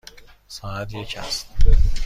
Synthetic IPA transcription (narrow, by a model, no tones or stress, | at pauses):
sɑːæt̪jecʰæ̰st̪